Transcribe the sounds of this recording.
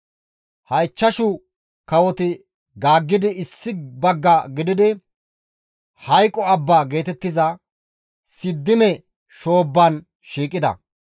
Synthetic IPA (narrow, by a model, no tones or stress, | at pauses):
hɐjt͡ʃːɐʃʊ | kɐwɔt̪ɪ | ɡaːɡːɪd̪ɪɪsːɪbɐɡːɐɡɪd̪ɪd̪ɪ | hɐjkʼːɔɐbːaːɡe̞ːt̪ɛt̪ːɪzɐ | sɪd̪ːɪmɛ | ʃo̞ːbːɐn | ʃiːkʼːɪd̪ɐ̰